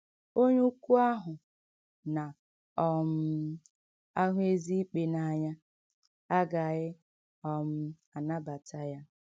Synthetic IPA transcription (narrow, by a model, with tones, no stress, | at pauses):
o˦ɲu˦ku˦a˦ɦʊ˨ | na˨ | ɔ˦m̩˦ | a˦ɦʷʊ˦e˦zi˦k͡pe˦na˨a˨ɲa˦ | a˦ɡa˨ɣɪ˦ | ɔ˨m̩˦ | a˨na˦ba˨ta˦ja˦